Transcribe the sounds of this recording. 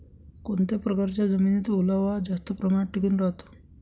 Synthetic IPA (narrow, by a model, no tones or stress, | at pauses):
koɳt̪epɾəkaɾt͡ɕjad͡zəminit̪ulaʋad͡zast̪əpɾəmaɳʈʰːikuːnɾaɦt̪o̥